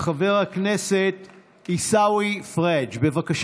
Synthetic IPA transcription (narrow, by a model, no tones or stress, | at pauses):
χave̞ʁhakneset | isawifʁed͡ʒbe̞vakaʃ